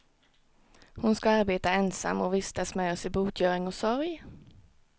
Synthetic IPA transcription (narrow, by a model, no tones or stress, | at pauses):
hʊnskaaɾbeːt̪aɛnsa̰mːɔvɪst̪asmœːsɪbuːt̪ʰjœːɾɪŋɔsɔɾj